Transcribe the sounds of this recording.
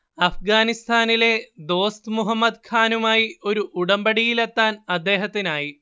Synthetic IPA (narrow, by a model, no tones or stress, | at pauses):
ɐfɡaːnist̪ʰaːnile̞d̪o̞ːst̪muɦɐmːɐd̪kʰaːnumaːjio̞ɾuʔuɽɐmbɐɽijilet̪ːaːnɐd̪ːe̞ːɦɐt̪ːinaːji